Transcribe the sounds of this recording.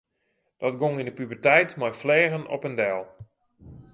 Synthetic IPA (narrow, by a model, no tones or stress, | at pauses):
d̥ɔtɡoŋindəpybərtɛjtmajflɛːɣənɔ̰pəndɛlˠ